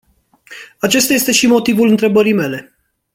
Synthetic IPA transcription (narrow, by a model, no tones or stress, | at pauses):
at͡ʃe̞st̪aje̞st̪e̞ʃimo̞t̪ivulɨnt̪ɾe̞bəɾijme̞le